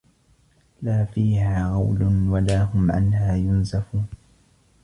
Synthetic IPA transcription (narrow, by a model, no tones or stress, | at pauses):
laːfiːhaːɣɑwlʊnwalaːɦʊmʕa̰nhaːjʊnsafuːn